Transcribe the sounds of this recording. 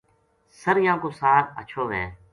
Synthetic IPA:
səɾjãːkoːsaːɾə̰t͡ʃʰoːʋɛ̰̃ː

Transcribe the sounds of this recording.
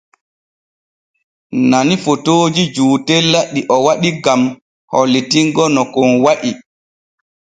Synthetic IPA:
nanifotoːd͡ʒid͡ʒuːtɛlːaɗːiʔɔwaɗiɡam | hɔlːitiŋɡɔnɔkɔnwaʔi

